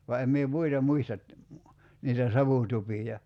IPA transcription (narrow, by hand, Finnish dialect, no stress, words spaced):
ʋɑ em mie muitɑ muistɑt niːtæ sɑʋuˑtupijɑ